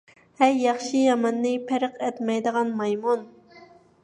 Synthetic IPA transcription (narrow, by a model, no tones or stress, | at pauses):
hɛɾjɑχʃijɑmɑnːɨpʰæɾəqɛt̪mɛjd̪əʁɑnmɑjmun